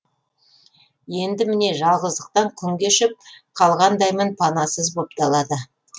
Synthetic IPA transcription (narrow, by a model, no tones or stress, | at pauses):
je̞nd̪ɪmɪne̞ʒɑlˠʁəzd̪əq̚t̪ɑɴkʲʰʏŋɡʲeʃɪp̚qʰɑlˠʁɑnd̪ɑjmənpʰɑnɑsəzbo̞pt̪ɑlˠɑd̪ə